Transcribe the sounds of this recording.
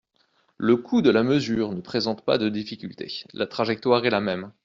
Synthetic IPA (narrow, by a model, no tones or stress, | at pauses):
ləkʰud̪əlaməzyːʁnəpχezɑ̃t̪pa̰d̪əd̪ifikʲylt̪ʰḛlʔat̪χaʒɛk̚t̪waʁɛlamɛm